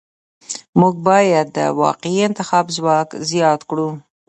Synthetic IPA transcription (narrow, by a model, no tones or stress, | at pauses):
muɡ̚bɑjad̪ːə̰wɑ̰qɪiɪnt̪ɪxɑbzwɑkzjɑt̪kɽu